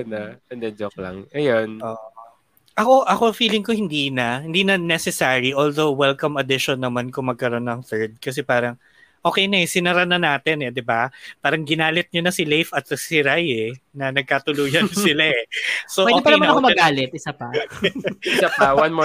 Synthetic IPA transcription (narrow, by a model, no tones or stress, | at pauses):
naɛnd̪ɛd͡ʒoklɐ̰ŋʔɐjonʔoːʔ | ʔɐko̞ʔɐko̞fiːlɪŋko̞hɪnd̪iːnɐhɪnd̪iːnɐnɛsɛsaːɹiʔoːld̪owwɛlkɐmɐd̪ɪʃonːɐmankomɐɡ̚kɐɾo̞nːɐŋθɛɹd̪̚kɐs̬ɛpaːɾɐŋ | ʔoːkɛjnɐɛsɪnɐɾɐnɐnaːt̪ɛnɛd̪ɪbapaːɾɐŋɡɪnaːlɪt̪̚ɲonɐsɪlejfɐt̪̚ɐsɪɾajɛnɐnɐɡ̚kat̪ʊluːjɐnsɪlaʔɛsoʔwɛʔodekpɐɛɐjmaɐnɐkomɐɡaːlɛt̪̚ʔɪsapɐ | apɐwanmo